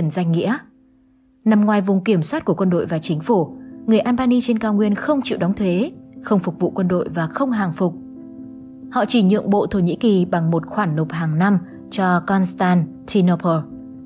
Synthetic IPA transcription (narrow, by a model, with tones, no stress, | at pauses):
nza˧jŋŋḭ˧˥ə | na˧mŋwaː˨˩jvʊ˨˩ŋ͡mki˧˩əmswaː˦˥t̚ku˧˩əkwə˧nɗo̰˧˨jvaː˨˩t͡ɕï˨˦ŋ̟fu˧˩ŋɨ˨˩əjʔaː˧nɓaː˧ni˧t͡ɕe˧nkaː˧wŋwi˧ənxə˧wŋ͡mt͡ɕḭ˧˨wɗɔ˨˦ŋ͡mt̪ʰwe˨˦xə˧wŋ͡mfʊ˨˩k̚vṵ˧˨kwə˧nɗo̰˧˨jvaː˨˩xə˧wŋ͡mɦaː˨˩ŋfʊ˨˩k͡p̚ | hɔ̰˧˨t͡ɕi˧˩ɲɨ̰˧˨əŋɓo̰˧˨t̪ʰo˧˩ɲḭ˧˥ki˨˩ɓa˨˩ŋmo˨˩t̚xwaː˧˩nːo˨˩p̚haː˨˩ŋna˧m | t͡ɕɔ˧kɔ˧nst̪aː˧nt̪ʰi˧no˧pʰəː˧